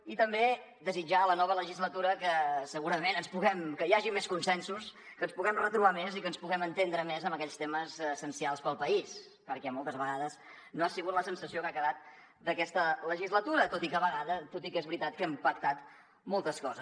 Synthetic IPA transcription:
it̪əmbe | d̪əzid͡ʒalənɔβ̞ələʒizlət̪uɾəkəsəɣuɾəmenənspuɣɛmkəjaʒimːeskunsɛnsus | kənspuɣɛmrət̪ɾuβamezikənspuɣɛmənt̪end̪ɾəmezəmbəkɛʎst̪eməzsənsialˠspəlˠpəis | pəɾkɛmɔlˠt̪əzβəɣaðəs | noasiɣut̪ləsənsəsiokakəðat̪̚ | d̪əkɛst̪ələʒizlət̪uɾət̪ot̪ikəβəɣaðət̪ot̪ikezβɾit̪at̪̚kɛmpək̚t̪at̪ | molˠt̪əskɔzə

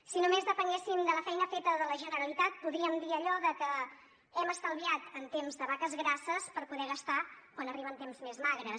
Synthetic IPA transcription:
sinomezðəpəŋɡesimd̪ələfɛjnəfet̪əðələʒənəɾəlit̪at̪̚puðɾiəmd̪iəʎɔðəkə | ɛməst̪əlˠβiat̪ənt̪emzðəβ̞akəzɣɾasəspəɾpuðɛɣəst̪akwanəriβənt̪emzmezmaɣɾəs

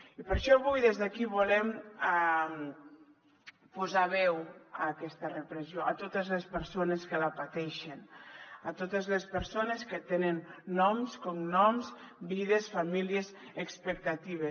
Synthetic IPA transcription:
ipəɾʃɔβujðezðakiβulɛma | puzaβɛwakɛst̪ərəpɾəzioat̪ot̪əzlespəɾsoneskəlapat̪ɛʃenat̪ot̪ezlespəɾsoneskət̪enənːɔmskɔmnɔmz | biðesfamiliezəkspək̚t̪at̪iβ̞es

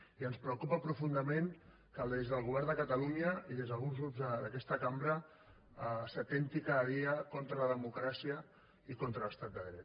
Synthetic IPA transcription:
iənspɾəukupəpɾufund̪əmẽŋ | kəlˠd̪ezðəlˠɣuβɛrnd̪əkət̪ɐluɲəiðezðəlˠɣunzɣɾubzðəd̪əkɛst̪əkambɾə | sət̪ent̪ikaðəðiəkont̪ɾələðəmukɾasiə | ikont̪ɾələst̪at̪̚d̪əðɾɛt̪

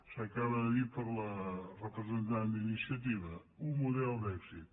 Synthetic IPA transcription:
səkaβəðipəɾlərəpɾəzent̪and̪inisiɐt̪̬iβəumuðɛlˠd̪ɛɡsit̪

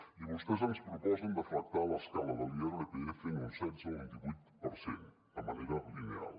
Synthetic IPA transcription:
iβust̪ɛzanspɾupɔzənd̪əfɾək̚t̪aləskaləðəliəɾləkeefenunsɛnzəβent̪iβujt̪pəɾsen | əməneɾəlinea̰lˠ

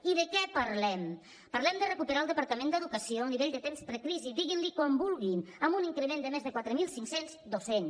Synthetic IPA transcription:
iðəkɛpəɾlɛm | pəɾlɛmd̪ərəkupəɾalˠd̪əpəɾt̪əmend̪əðukəsioəniβeʎd̪ət̪emspɾəkɾizid̪iɣinlikwɔmbulˠɣinəmbuniŋkɾəmend̪əmezðəkwat̪ɾəmilˠsiŋksenzd̪osen

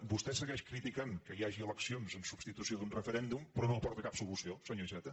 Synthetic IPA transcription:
bust̪ɛsəɣɛʃkɾit̪ikankəiaʒiəlˠəksionzənsubst̪it̪usioðunrəfəɾɛnd̪umpɾɔnõwpɔɾt̪əkapsulusiosəɲoʒɛt̪ə

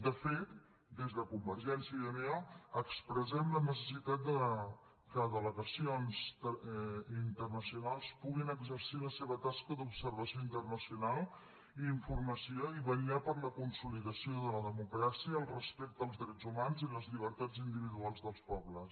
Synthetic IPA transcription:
d̪əfet̪ | d̪ezðəkumbəɾʒɛnsiəəmeɔəkspɾəzɛmlənəs̬əsit̪at̪̚d̪ə | kəðələɣəsionzəint̪ərnəsiunalˠspuɣinəɡzəɾsiləseβət̪askəðupsəɾβəsioint̪ərnəsiunalˠ | iːɱfurməsioiβəniapəɾləkunsuliðəsioðələðəmukɾasiəːlˠrəspɛk̚t̪əlˠzðɾɛd͡zumanziləzʎiβ̞əɾt̪ad͡zind̪iβiðualˠzðəlˠspɔβləs

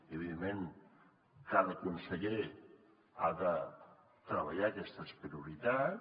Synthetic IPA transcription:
eβiðemmːeŋ | kaðəkunsəʎe | a̰ðə | t̪ɾəβəʎakɛst̪əspɾiuɾit̪a

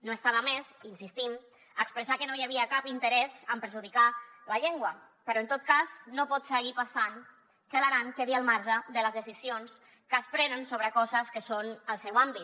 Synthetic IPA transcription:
noest̪aβəmezinsist̪im | əːkspɾəsakənojaβiəkapint̪əɾɛzəmpəɾʒuðikaləʎeŋɡwə | pəɾɔənt̪ot̪̚kaznopɔt̪səɣipasaŋ | kəlaɾaŋkeðiəlˠmaɾʒəðələzðəsizions | kəspɾɛnənsoβɾəkɔzəskəsonəlˠsɛwambi

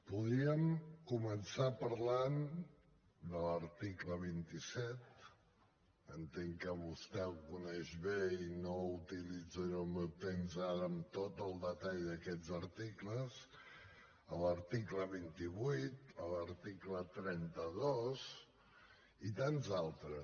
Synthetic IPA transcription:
puðiəmkumənsapəɾlan | d̪ələɾt̪ikləβ̞int̪isɛt̪̚ | ənt̪eŋkəβust̪ɛwkunɛʒβeinout̪ilid͡zəɾoməp̚t̪ɛnzaɾəmt̪ot̪əlˠd̪ət̪aʎðəkɛd͡zəɾt̪ikləz | ələɾt̪ikləβint̪iβujt̪ələɾt̪iklət̪ɾɛnt̪əðoz | it̪anzalˠt̪ɾəs

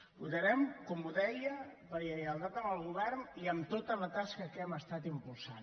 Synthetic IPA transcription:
uðəɾɛmkɔmuðɛjələʎəjəlˠt̪at̪əməlˠɣuβɛɾniəmt̪ot̪ələt̪askəkɛməst̪at̪impulˠsan

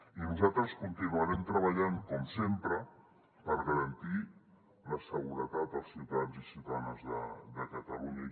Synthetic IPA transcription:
inuzat̪ɾəskunt̪inuəɾɛmt̪ɾəβəʎaŋkɔmsempɾə | pəɾɣəɾənt̪i | ləsəɣuɾət̪at̪̚əlˠsiwt̪ad͡zisiwt̪anəzðə̰d̪əkət̪əluɲə

